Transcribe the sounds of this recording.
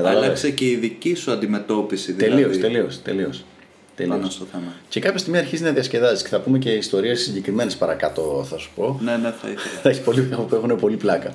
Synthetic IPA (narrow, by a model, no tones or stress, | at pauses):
ɐðɐlɐɐkseceiðicisuɐnd̪ime̞t̪o̞pisiðt̪eliost̪eliost̪e̞̰lios | t̪eliossoθemɐcekɐpçɐst̪imiɐɾçizinɐðiɐsce̞ðɐzisceθɐpume̞ce̞ist̪o̞ɾiessiɲɟe̞kɾime̞nespɐɾɐkɐt̪o̞θɐsu̥po̞neneθɐ̰iðɐksi̥po̞liepuexunepo̞liplɐkɐ